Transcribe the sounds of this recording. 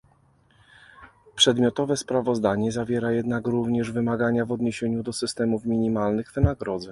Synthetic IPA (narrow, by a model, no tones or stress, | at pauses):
pʂɛd̪mʲjɔt̪ɔvɛspɾavɔzd̪aɲɛzavʲjɛɾajɛd̪nakɾuvɲɛʐvɘmaɡaɲavɔd̪ɲeɕeɲud̪ɔsɘst̪ɛmufmʲiɲimalnɘɣvɘnaɡɾɔd̪zɛ